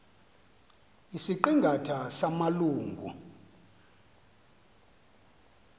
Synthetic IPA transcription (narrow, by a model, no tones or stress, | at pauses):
isiǃiŋɡʱatʰasamaluːŋɡʱṵ